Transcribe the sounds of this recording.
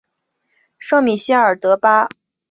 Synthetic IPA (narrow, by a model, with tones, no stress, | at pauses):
ʂɤ˥˩ŋmi˨˩ɕi˥ə˞˨˩t̪ɤ˧˥pa˥